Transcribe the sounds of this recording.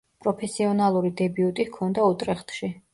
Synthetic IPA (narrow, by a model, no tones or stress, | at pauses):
pʼɾɔpʰɛsiɔnalˠuɾid̪ɛbiut̪ʼikʰɔnd̪aut̪ʼɾɛχt̪ʰʃi